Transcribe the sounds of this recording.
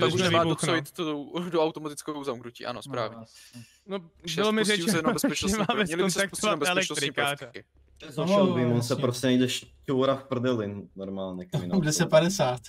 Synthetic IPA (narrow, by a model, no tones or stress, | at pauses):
aunɛmaːoavɪt̪t̪owdoawt̪omat̪ɪ̥t͡skowzamknucḭːʔa̰no̰spɾa̰ːvɲɛ | nobɪlomɪrɛɛnbɛsɛmaːvɛsɲɛlɪosɾak̪̚ovabɛɛlɛksɾɪikarkɛkɪ | ɛzaovimonsɛpɾosʲɛnɛjd̪ɛʃcuːɾafpr̩d̪ɛlɪnnːoɾmaːlɲɛkɪnadɛsɛt̪̚padɛsaːt̪